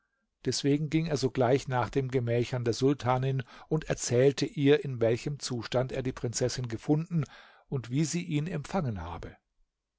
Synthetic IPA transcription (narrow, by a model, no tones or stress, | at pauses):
d̥ɛsv̥eːɡŋ̩ɡɪŋeːɐzoːɡlaɪçnaːχd̥eːmɡəmɛːçɐndeːɐzʊltʰaːnɪnʊntɛɐt͡sɛːltʰəʔiːɐɪnvɛlçəmt͡suːʃtanteːɐdiːpʁ̥ɪnt͡sɛsɪnɡəfʊndn̩ | ʊntv̥iːziːʔiːnɛmpfaŋənha̰ːbə